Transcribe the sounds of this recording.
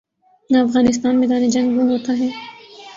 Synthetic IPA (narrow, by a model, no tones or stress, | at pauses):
naɐfɣaːnɪs̬t̪aːnmẽd̪aːned͡ʒɐ̃ŋɡʋoɦoːt̪aɦɛː